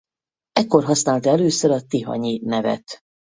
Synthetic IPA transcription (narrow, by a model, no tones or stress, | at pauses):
ɛkːo̞rɦɒsnaːlt̪ɛløːsøɾɒt̪iɦɒ̰ɲinɛvɛ̰t̪